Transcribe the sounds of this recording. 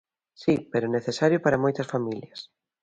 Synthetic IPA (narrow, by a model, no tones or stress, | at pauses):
sipeɾʊneθesaɾjʊpaɾɐmojt̪ɐsfamiljɐs